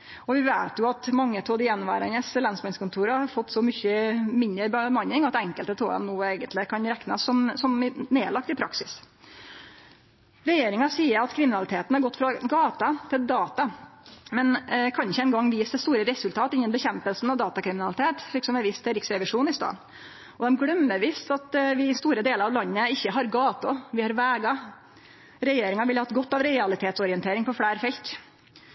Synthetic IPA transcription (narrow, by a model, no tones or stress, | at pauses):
ɔʋɪʋæɪt̪jʊɑt̪mɑŋːət̪ʰoːd̪ɪɛnʋæ̰ːɾənəslɑnsmɑnskʰʊnt̪ʰuːɾəɑɾfɔt̪ːsɔmʏçəmɪnəɾbəmɑnːɪŋɑt̪ɛŋkəlt̪ət̪ʰo̰ːɑ̰nnuːeːɡənt̪lɪkʰɑnɾɛknɑ̰sːɔmsɔmneːlɑkt̪ɪpʰɾɑ̰ksɪs | ɾɛjeːɾɪŋɑsiːəɾɑt̪kʰɾɪmɪnɑlɪt̪ʰeːt̪n̩hɑɾɡɔt̪ːfɾɑɡɑːt̪ɑt̪ʰɪld̪ɑːt̪ɑmɛnkʰɑnɪçːəɛnɡɑŋːʋiːsd̪ɛst̪uːɾəɾɛsʉlt̪ʰɑːt̪ɪnːənbəçɛmpəlsn̩ɑʋd̪ɑːt̪ɑkʰɾɪmɪnɑlɪt̪ʰeːt̪lɪksɔmɛʋiːst̪ʰːɪɾɪksɾɛʋɪʂuːnɪst̪ɑ̰ːn | ɔd̪ɛmɡɽœmːəʋiːst̪ɑt̪ʋɪst̪uːɾəd̪eːləɾɑʋlɑnːəɪçːəɦɑɾɡɑːt̪ʊʋɪhɑɾʋæːɡɑ | ɾɛjeːɾɪŋɑʋɪlɑhɑt̪ɡɔt̪ːɑʋɾɛɑlɪt̪ʰeːt̪sɔɾɪənt̪ʰeːɾɪŋpɔfɽæːɾfɛlt̪